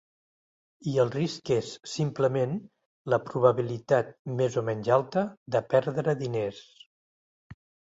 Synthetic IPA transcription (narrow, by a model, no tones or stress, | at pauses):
iəlˠriskesːimpləmen | ləpɾuβəβilit̪at̪̚mezomɛnʲzalˠt̪əd̪əpɛɾðɾəðines